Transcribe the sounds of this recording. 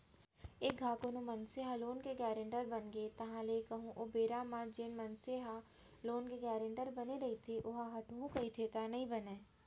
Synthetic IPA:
eːk̚ɡʱaːkonomɐnseɦaloːnkeɡɛːɾə̃ɳʈəɾbɐnɡet̪ɐɦãleːkɐɦũʔoːbeːɾaːmãd͡ʒeːnmɐnseɦa | loːnkeɡɛːɾə̃ɳʈəɾbɐneɾɐɦit̪ʰeʔʊɦãɦɐʈuɦũkɐit̪ʰet̪anɐɦĩbɐneː

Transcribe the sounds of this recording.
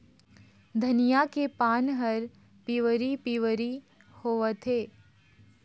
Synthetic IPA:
d̪ʱɐnijakepaːnɦɐɾ | piʋəɾipiʋɾi | hoːʋət̪ʰeː

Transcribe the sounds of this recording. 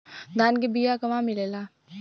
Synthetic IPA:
d̪aːnkebijakəʋãmɪlelaː

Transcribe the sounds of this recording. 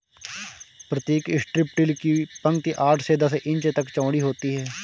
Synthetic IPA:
pɾət̪iːkɪsʈɾɪp̚ʈɪlkipə̃ŋɡ̚t̪iːʔaːʈʰseːd̪əsʔɪ̃ɲt͡ʃet̪əkt͡ʃãːɽiːɦoːt̪iːɦɛː

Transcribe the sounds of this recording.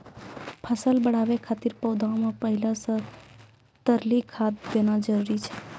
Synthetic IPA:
pʰəsəlbəɽaʋekʰat̪iɾpəwd̪ʱãõmãpəɦilãsə | t̪əɾlikʰat̪̚benãd͡ʒəɾuɾit͡ʃʰe̥

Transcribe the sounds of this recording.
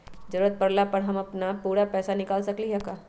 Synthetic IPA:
zɐɾuːɾət̪̚pɐɾlapɐɽɦɐmɐpnapuːɾapɛːsanɪkaːlsɐkliɦɛkaː

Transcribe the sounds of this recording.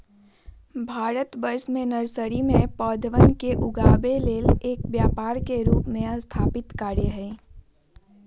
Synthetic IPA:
bʱaːɾət̪bəɾsmẽnəɾsəɾimẽpɔːd̪ʱəʋənkeʔʊɡaːbeleːleːk̚bjaːpaːɾkeɾuːpmẽəst̪ʰaːpɪt̪kaːɾjəɦɛ̃ː

